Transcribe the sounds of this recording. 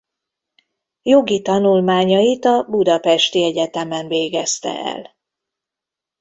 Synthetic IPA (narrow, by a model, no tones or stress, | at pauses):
joɡit̪ɒnulmaːɲɒjit̪ɒbud̪ɒpɛʃt̪iɛɟɛt̪ɛmɛɱveːɡɛst̪ɛ̰ɛ̰l